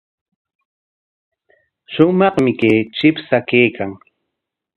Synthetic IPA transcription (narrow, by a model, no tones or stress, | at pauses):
ʃʊmɑχmɪkeːt͡ʃɪpsakeːkʰaŋ